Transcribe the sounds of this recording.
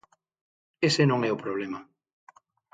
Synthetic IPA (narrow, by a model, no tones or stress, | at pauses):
esenõŋɛʊpɾoβlema